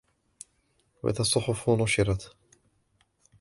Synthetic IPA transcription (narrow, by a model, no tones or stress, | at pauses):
wa̰ʔɪ̰ðasˤːʊħʊfʊnʊʃɪɾˤɑt̪